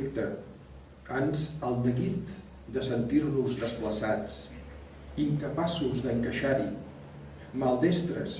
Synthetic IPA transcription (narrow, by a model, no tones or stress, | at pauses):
kt̪ə | fanzəlˠnəɣit̪ | d̪əsənt̪irnuzðəspləsat͡s | iŋkəpasuzðəŋkəʃaɾi | malˠd̪est̪ɾə̰s